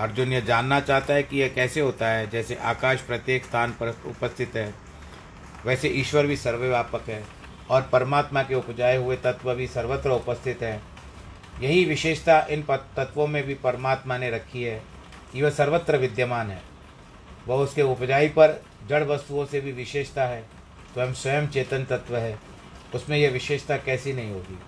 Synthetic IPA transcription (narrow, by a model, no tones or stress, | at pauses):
ɐɾd͡ʒʊnjəd͡ʒaːnːat͡ʃaːɦt̪aɦɛkijekɛːseɦoːt̪aɦɛd͡ʒɛːseʔaːkaːʃpɾɐt̪jeːkst̪ʰaːnpʊ̰pəst̪ʰɪt̪ɦɛː | ʋɛːseʔiːʃwəɾbʱisɐɾʋəʋjaːpəkɦɛː | ɔːɾpɐɾəmaːt̪makeʊpd͡ʒaːiɦʊet̪ɐt̪ʋəbʱisɐɾʋət̪ɾəʊpəst̪ʰɪt̪ɦɛː | jɐɦiʋɪʃeːʃt̪aʔɪnpt̪ɐt̪ʋõmẽbʱipɐɾəmaːt̪maneɾɐkʰːiɦɛː | kiʋəsɐɾʋət̪ɾəʋɪd̪jəmaːnɦɛː | ʋɐɦʊskeʊpd͡ʒaːipɐɾ | d͡ʒɐɽʋɐst̪uõsebʱiʋɪʃeːʃt̪aɦɛː | t̪ojəmswɐjəmt͡ʃeːt̪ənt̪ɐt̪ʋəɦɛː | ʊsmẽjeʋɪʃeːʃt̪akɛːsinɐɦĩɦoːɡiː